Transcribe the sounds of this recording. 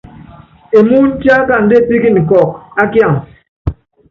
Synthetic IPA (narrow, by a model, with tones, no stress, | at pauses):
e˨mu˦n̩˦ta˦ka˦˨n̩˨de˦˨pi˦ki˦n̩˨kɔ˨k̚a˦kja˦˨ŋ